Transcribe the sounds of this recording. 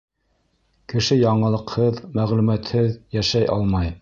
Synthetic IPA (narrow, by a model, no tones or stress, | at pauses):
kɘ̆ʃɘjɑɴɤ̆lˠɤ̆qhɤðmæʁlʉmæt̪hɘðjæʃæjʔɑ̰lˠmɑj